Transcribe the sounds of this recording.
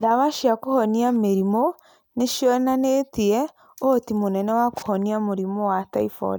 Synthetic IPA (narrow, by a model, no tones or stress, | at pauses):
ðaβaʃiakohɔniameɾimo | neʃiɔnanetiɛ | otimonɛnɛwako̥hɔniamoɾimɔwataifɔ̰ɾ